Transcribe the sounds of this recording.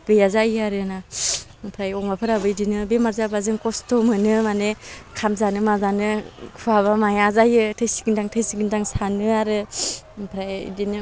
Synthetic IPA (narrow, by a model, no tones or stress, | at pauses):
bejazajaɾɯna | pʰɾajɔŋmapʰɯɾabɯjdinɯbemazabazɯŋkɔstomɯnɯmanekʰamzanɯmazanɯkʰuaβamajazajɯtʰɯjsi̥ɡndaŋtʰɯjsiɡindaŋsanɯaɾɯpʰɾajdinɯ